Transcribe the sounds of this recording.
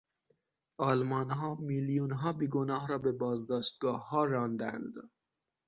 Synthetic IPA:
ɒːlmɒːnɦɒːmiljuːnɦɒːbiːɡonɒːhɾɒːbe̞bɒːzd̪ɒːʃt̪̚ɡɒːhːɒːɾɒːnd̪æ̰nd̪

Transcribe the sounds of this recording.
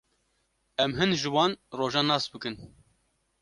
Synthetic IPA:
ɛmɦɨnʒɨwɑːnroːʒɑːnɑːsbɨkɨn

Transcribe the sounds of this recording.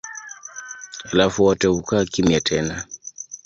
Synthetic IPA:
alafuwɔtɛukakimjatʰɛna

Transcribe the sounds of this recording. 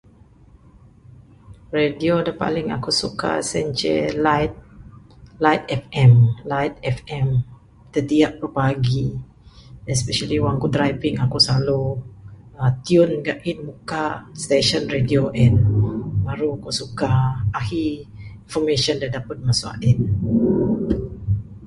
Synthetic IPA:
rediodapa̰lɪŋa̰kusuka̰sɛ̰ɲt͡ʃɛ̰lajt̪̚ | lajt̪ɛfɛ̃mlajt̪̚ɛfɛ̃m | t̪ət̪iaʔpɾopaɡi | ɛspɛʃaliwaŋkudɾajviŋakusalu | at̪iʊnɡaʔinmukast̪eʃɔnredioʔɛnbaɾuakusukaahiinfɔmeʃɔ̃ndadapət̪̚masua̰ʔin

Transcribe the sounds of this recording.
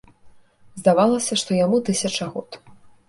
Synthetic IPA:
zd̪avalˠɐsʲɐʂt̪ɔjamut̪ɨsʲɐt͡ʂɐɣɔt̪

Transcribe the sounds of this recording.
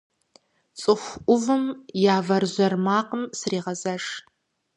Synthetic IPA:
t͡sʼɨxʷʔʷʊvɨmjaːvɐrʑʷɐrmaːqəmsriːʁɐzɐʂ

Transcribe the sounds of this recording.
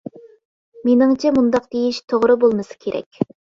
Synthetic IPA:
menɪŋt͡ʃʰɛmund̪ɑqd̪̥ejiʃt̪ʰoʁɾɨbolˠmɨsɨ̥kʲʰeɾʔɛ̰kʲ

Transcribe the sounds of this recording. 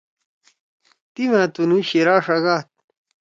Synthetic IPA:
t̪imãt̪unuɕiɾaːʂɐɡaːt̪̚

